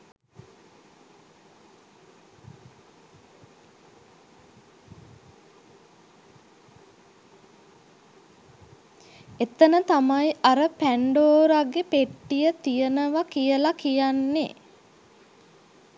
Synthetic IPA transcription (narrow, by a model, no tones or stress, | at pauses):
et̪ənət̪amajaɾəpæɳɖoːɾaɡːepeʈːijət̪ijənəʋakijəlakijanːḛ